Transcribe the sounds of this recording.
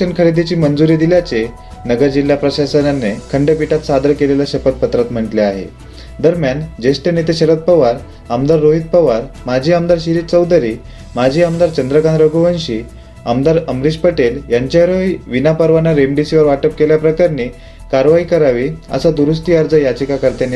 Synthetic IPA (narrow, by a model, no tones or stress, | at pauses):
ənkʰəɽed̪et͡ɕiːmənd͡zuɾiːd̪iljat͡se | nəɡəɾd͡ʑilːapɾəɕasənjanːekʰəɳɖəpiʈat̪sad̪əɾkelelaɕəpət̪̚pət̪ɾat̪m̤əɳʈleaɦḛ | d̪əɾmjand͡ʑesʈənet̪eɕəɾət̪̚pəʋaɾ | amd̪aɾːoɦit̪̚pəʋaɾmad͡ʑʱiːamd̪aɾɕiɾiːt͡səwd̪əɾiː | mad͡ʑʱiːamd̪aɾt͡ɕənd̪ɾəkanɾəɡoʋənɕiː | amd̪aɾəmɾid͡ʑpəʈeljaɲt͡ɕjaɾoiʋinapəɾʋanaɾemɖisiʋəɾʋaʈəp̚keljapɾəkaɾni | kaɾʋaɦikəɾaʋiːə̰sad̪uɾusʈ̪iaɾd͡zəjad͡ʑəkakəɾt̪an